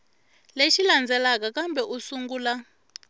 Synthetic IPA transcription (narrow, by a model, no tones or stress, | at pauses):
leʃiland͡zɛlakakambɛʔusuŋɡuːla